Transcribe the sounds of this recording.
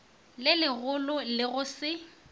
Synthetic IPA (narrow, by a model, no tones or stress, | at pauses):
lɪlɪɣʊlʊlɪɣʊsɪ